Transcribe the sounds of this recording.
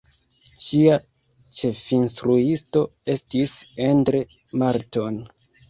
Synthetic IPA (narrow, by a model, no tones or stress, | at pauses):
ʃia | t͡ʃe̞finstɾuisto̞e̞stisendɾe | maɾto̞n